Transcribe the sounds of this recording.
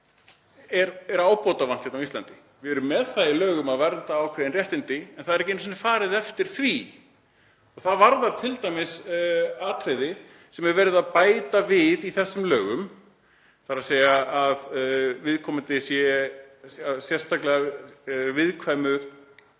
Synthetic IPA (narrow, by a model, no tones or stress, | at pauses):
ɛɾɛɾaːwpɔt̪avan̥çɛt̪naist̪lant̪ɪ | vɪɛɾʏmːɛðθailœːɣʏmaðvɛɾt̪aːwkʰvɛːðɪnrjɛht̪ɪnt̪ɪɛnθaðɛɾɛcɪnːs̬ɛnɪfaːɾɪðɛft̪ɪɾ̥θvi | ɔɣθaðvaɾðaɾ̥t̪ʰɪlt̪ajmɪsaːt̪ʰɾejðɪ | sɛmɛvɛːɾɪðaðpaːjt̪avɪðiθɛsːʏmlœːɣʏm | θaɾaðseːjaːðvɪðkʰɔmɪnt̪ɪsjɛ | asjɛrst̪ʰaklɛɣavɪðkʰvaːjmʏ